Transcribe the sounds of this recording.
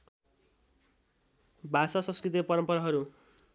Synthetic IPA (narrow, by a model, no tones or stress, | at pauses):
bʱasasʌ̃nskrit̪̬ipʌɾʌmpʌɾaɦʌɾu